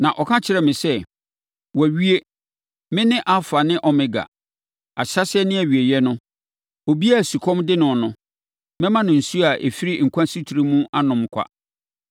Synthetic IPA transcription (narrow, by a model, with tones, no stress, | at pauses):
nã˨ʔɔ˨kʰã˦t͡ɕʰɪ˨ɾɛ˨mɪ̃˨sɛ˦˨ | wɔ˨æ˨ɥi˦e˦ | mɪ̃˦nɪ̃˦ʔa˦fa˨nɪ̃˦ʔɔ˨mɪ̃˦ɡa̰˨ | a̰˨ɕa˦sɪ˦ɛ˦nɪ̃˦æ˨ɥi˨e˨jɛ˦nʊ̃˦ | o˨bi˦a˦˨su˨kʰɔ̃˦mdɪ˦nʊ̃˨nʊ̃˦ | mɛ̃˦mã˦nʊ̃˨n̩˨su˦a˨ʔḛ˨fi˦ɾi˦ŋ̩˨kʰʷã˦si˦tʰu˨ɾi˦mũ˦ʔa˦nʊ̃˨mkʷʰa̰˦